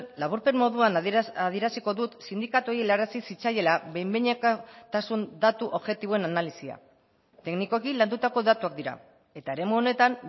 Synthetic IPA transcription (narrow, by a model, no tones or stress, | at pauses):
laβ̞uɾpe̞mmo̞ðuanaðie̞ɾasiko̞ðut̪sind̪ikat̪uojielaɾasisit͡saje̞laβe̞jmbeɲekt̪asund̪at̪uʔoβʝe̞t̪iβoe̞nanalisia̰ | t̪e̞kniko̞kiland̪ut̪ako̞ðat̪uak̚d̪iɾa̰ | e̞t̪ae̞ɾe̞muo̞ne̞t̪an